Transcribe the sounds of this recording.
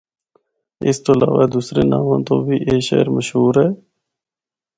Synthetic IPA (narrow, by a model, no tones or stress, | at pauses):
ɪ̰st̪oːəlaːʋaːd̪uːsɾeːnaːmãːt̪õːbʱiːʔeːʃḛːɾməʃɦuːɾɦɛː